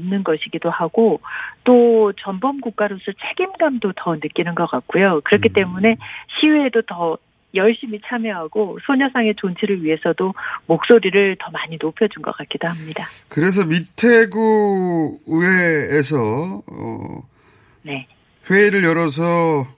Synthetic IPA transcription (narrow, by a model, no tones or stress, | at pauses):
mnɯnɡʌɕʰiɡidohaɡ̥ot͈ot͡ɕʌmbʌmɡuk͈̚aɾos͈ʰɯt͡ɕʰe̞ɡimɡamdotʌnɯk͈inɯnɡʌk͈ak̚k͈ujokɯɾʌkʰit͈e̞mune̞ɕʰiweːdotʌ | jʌɭɕ͈imit͡ɕʰamjʌɦaɡosʰoɲʌsʰaŋe̞t͡ɕont͡ɕʰiɾɯɭɥiɦe̞sʰʌdomok̚s͈oɾiɾɯɭtʌmaɲinopʰjʌd͡ʑunɡʌ̰k͈at̚k͈idoɦamɲidakɯɾe̞s̬ʰʌmitʰeɡu | ɯweːs̬ʰʌʌ̰ | ne̞ | ɸweiɾɯɭjʌɾʌs̬ʰʌ